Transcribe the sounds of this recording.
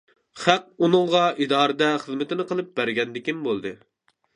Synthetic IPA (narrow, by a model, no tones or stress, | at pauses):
χæq̚unɨŋʁɑʔid̪ɑːɾɨd̪ɛχəzmɪt̪ʰɪnɪqʰəlˠɨp̚bæɾɡʲɛnd̪ɪkʲimbolˠd̪ɨ